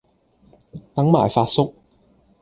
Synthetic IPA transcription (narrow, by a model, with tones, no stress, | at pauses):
t̪ɐ˨˥ŋma̰ː˨˩jfaː˧t̚sʊ˥k̚